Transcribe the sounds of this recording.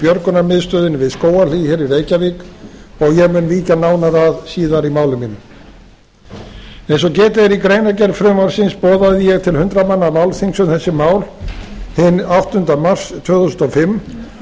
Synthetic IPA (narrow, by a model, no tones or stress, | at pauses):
pjœɾkʏnamɪðst̪œːðɪnɪvɪðskoːwaliçɛːɾireːjcaviːkɔɣjɛɣmʏnliːcanaːwnaɾaðsiːðaɾimaːwlʏminːʏm | ɛ̃jnsɔcɛːt̪ɪðɛɾikɾejnacɛɾfɾʏmaɾ̥sɪnspɔːðaðɪjɛɣt̪ʰɪlhʏnt̪ɾamanːamawlθiŋksʏmθɛsːɪmaːwlhɪnawht̪ʏnt̪amar̥st̪ʰvœːɣθusʏ̥nɔfɪmː